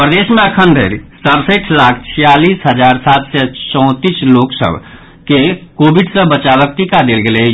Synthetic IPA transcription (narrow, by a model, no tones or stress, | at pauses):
pɾəd̪esmẽəkʰənd̪ʱeɾsəbsəʈʰlakʰt͡ʃʰijaliːsɦəd͡ʒaɾsat̪sɛt͡ʃɔ̃ʊ̃t̪isloksə̰bʱ | kekobʱiɖsəbət͡ʃabək̚t̪ikad̪elɡele